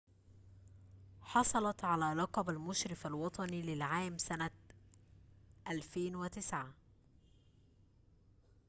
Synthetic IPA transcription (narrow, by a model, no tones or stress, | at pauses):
ħɑsˤɑlɑt̪ʕalæːlɑqɑbalmʊʃɾɪfalwɑt̪ˤɑnilɪlʕaːmsana | ʔælfeːnwɪt̪ɪsʕa